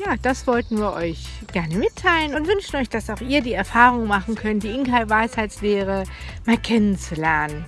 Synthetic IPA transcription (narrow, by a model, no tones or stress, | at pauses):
jaːd̥asv̥ɔltn̩viːɐʔɔʏç | ɡ̥ɛɐnəmɪtʰːaɪlənʊntv̥ʏnʃn̩ɔʏçd̥asaʊxʔiːɐdiːɛɐfaːʁ̞ʊŋmaχn̩kʰœntd̥iːʔɪŋkaɪvaɪshaɪtsveːʁə | maːlkʰɛnənt͡sulɛɐnən